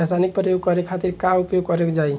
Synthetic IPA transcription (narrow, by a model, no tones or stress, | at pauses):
asanik̚pɾjoɡ̚kɔɾekkʰat̪iɾkaupjoɡkɔɾekd͡ʒai